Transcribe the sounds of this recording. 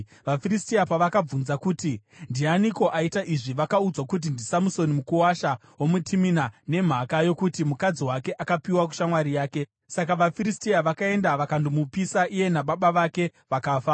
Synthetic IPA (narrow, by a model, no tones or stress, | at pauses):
ʋafiristiapaʋakab͡vunzakutindianiko̞ʔaitaʔiʐiʋakaud͡zwakut̬indisamuso̞nimukuwaʃa | wo̞mutʰiminane̞m̤akajo̞kutimukad͡ziwake̞ʔakapiwak̬u̥ʃamwaɾijaːke̞ | sakaʋafiɾistiaʋakae̞ndaʋakandimupisaʔije̞naɓaɓaʋake̞ʋakaːfa